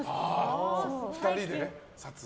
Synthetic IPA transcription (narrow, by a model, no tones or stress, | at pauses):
a | fɯ̥t̪aɾʲid̪e | sat͡s